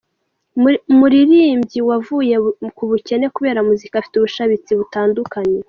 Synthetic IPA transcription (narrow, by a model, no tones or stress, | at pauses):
muɾiɾiːmbɟiwavuje̞kuβuce̞ne̞kuβe̞ːɾamuzikafi̥tuβuʃaβit͡siβutaːndukaɲe̞